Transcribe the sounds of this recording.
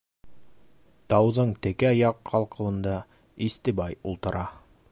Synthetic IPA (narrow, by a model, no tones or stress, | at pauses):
t̪ɑwðɤɴt̪ɘ̆kæjɑqʰːɑlˠqɤ̆lˠɤ̆nd̪ɑ | ist̪ɘ̆bɑjulˠt̪ɤ̆ɾʔɑ